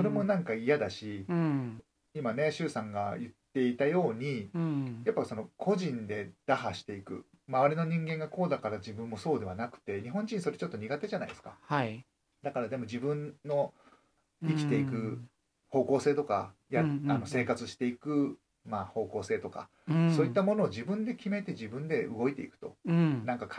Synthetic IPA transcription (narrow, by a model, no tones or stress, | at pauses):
so̞ɾe̞mo̞nãŋkaijad̪aɕi | imane̞ɕɨːsãŋɡajɯ̟t̪ːe̞it̪ajo̞ːɲ̟ijapːaso̞no̞kʰo̞ʑĩnd̪e̞d̪̥aɦaɕi̥t̪e̞ikɯ̟̰ | maβaɾʲino̞ɲ̟ĩŋɡẽ̞ŋɡako̞ːd̪akaɾad͡ʑibɯ̟̃mːo̞so̞ːd̪e̞β̞anakɯ̟̥t̪e̞ɲ̟iɦõ̞ɲ̟d͡ʑĩɲ̟iso̞ɾe̞t͡ɕo̞t̪ːo̞ɲ̟iɡat̪e̞ʑana̰ḭd̪esɨ̥kaha | d̪akaɾad̪e̞mo̞d͡ʑibɯ̟̃nːo̞ | ikʲi̥t̪e̞ikɯ̟ | ho̞ːko̞ːse̞ːt̪o̞ka̰jaano̞se̞ːkat͡sɨɕi̥t̪e̞ikɯ̟ | maːho̞ːko̞ːse̞ːt̪o̞ka̰ | so̞ːit̪ːamo̞no̞ːd͡ʑibɯ̟̃nd̪e̞kʲime̞t̪e̞ʑibɯ̟̃nd̪e̞ɯɡo̞it̪e̞ikɯ̟̥t̪o̞nãŋkak